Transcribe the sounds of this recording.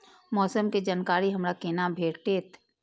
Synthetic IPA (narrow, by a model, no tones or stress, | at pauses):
mɔːsəmked͡ʒankaːɾiɦɐmɾakeːnabʱeːɾʈeːt̪